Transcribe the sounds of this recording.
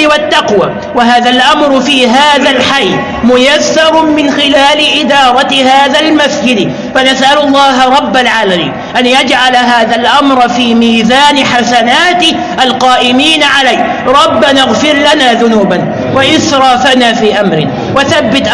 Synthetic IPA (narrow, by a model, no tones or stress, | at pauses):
wat̪ːaqwaː | waɦaːðalʔamɾfiːɦaːðalħajː | mʊjaθːɑɾˤmɪnxɪlaːlɪʔɪd̪ɑːɾˤɑhaːðalmasd͡ʒɪd̪ | fanasʔalʊlˤːɑːɦaɾˤɑbːalʕaːlamḭːnʔanjad͡ʒʕalaɦaːðalʔamɾˤɑfiːmiːzaːnɪħasanaːt̪ | ʔalqɑːʔɪmiːnaʕalaj | ɾˤɑbːanaɣfɪɾlanaːðʊnuːban | waʔɪθɾˤɑːfanaːfiːʔamɾɪ̰ | waθabːɪt̪ʔ